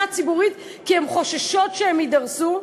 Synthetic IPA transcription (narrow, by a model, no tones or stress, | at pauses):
at͡sibuʁit̪ | kihemχo̞ʃaʃotʃehemidɐʁsu